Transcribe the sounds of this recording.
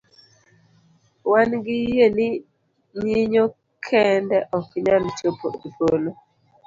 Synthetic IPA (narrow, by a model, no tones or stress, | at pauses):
wanɡɪjenɪ | ɲiɲo | kʰɛndɛʔɔkɲant͡ʃopo̰folo